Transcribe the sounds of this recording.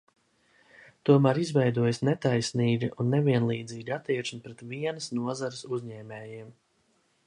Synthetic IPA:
t̪uɔmæːɾizvɛjd̪uɔjsnet̪ajsniːɡʲiʔunːeviɛnlˠiːd̪ziːɡʲat̪iɛʃnipɾɛt̪viɛnɐsnuɔzaɾɪsuzɲɛːmɛːjiɛm

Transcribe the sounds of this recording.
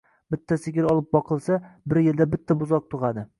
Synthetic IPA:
b̥ɪt̪ʰːasɪɡʲɪɾɒlˠɪp̚bɒqʰɨlˠsabɪɾjɪld̪abɪt̪ʰːabʊzɒq̚t̪ʰʊʁad̪ɪ

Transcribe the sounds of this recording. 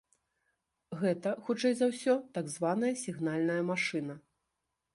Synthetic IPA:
ɣɛt̪ɐxut͡ʂɛjzawsʲɔt̪aɡzvan̪ɐjɐsʲiɣnalʲnɐjɐmaʂɨnɐ

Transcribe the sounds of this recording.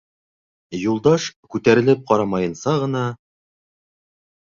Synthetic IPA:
julˠd̪ɑʃkʉt̪æɾɘ̆lɘp̚qɑɾɑmɑjɤ̆nsɑʁɤ̆n̪ɑ

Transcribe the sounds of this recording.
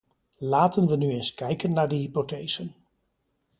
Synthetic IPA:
laːtənʋənyenskɛjkənːaːɹdəɦipotejz̥ən

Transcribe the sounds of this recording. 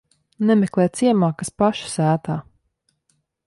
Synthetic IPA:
nɛmeklˠɛːt̪siɛmaːkəspaʃsæːt̪aː

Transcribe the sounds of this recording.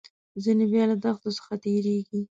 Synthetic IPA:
zinebjɑlad̪axt̪osə̥xat̪eɾeɡi

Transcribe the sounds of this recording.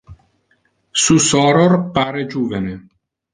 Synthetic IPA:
susɔːɾorpaːɾed͡ʒuːvene

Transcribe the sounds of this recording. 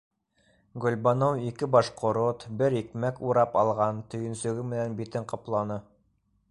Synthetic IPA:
ɡɵ̆lʲbonowikɘbɑʃqŏɾot̪bɘɾikmækuɾɑpɑlˠʁɑnt̪ɵ̆jɵ̆nsɵ̆ɡɘmɘ̆nænbit̪ɘɴqɑplˠɑnɤ

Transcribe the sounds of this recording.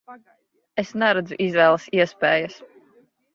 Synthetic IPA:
esnæɾad̪zuʔizvɛːlˠɐsiɛspeːjɐs

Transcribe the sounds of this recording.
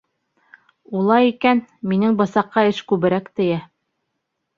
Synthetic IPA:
ulˠɑjikænminɘŋbɤ̆sɑqːɑɘʃkʉβɘ̆ɾækt̪ɘ̆jæ

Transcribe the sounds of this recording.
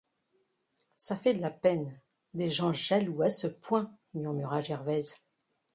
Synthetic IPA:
safɛd̪əlapɛn | d̪eʒɑ̃ʒaluasəpwɛ̃ | myʁmyʁaʒɛʁvɛz

